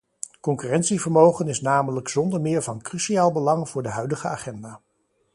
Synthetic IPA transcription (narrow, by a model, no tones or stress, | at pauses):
kɔŋkyːrɛntsivəɹmowχənɪsnaːmələksɔndəɹmɪːɹvɑnkrysiaːlˠbəlɑŋv̥ʊːɹdəɦœɥdəχəa̰ːχɛndaː